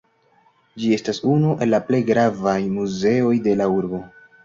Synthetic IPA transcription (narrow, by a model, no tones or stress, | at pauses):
d͡ʒie̞stasunuʔe̞lːaple̞jɡɾavajmuze̞o̞jde̞lauɾbo̞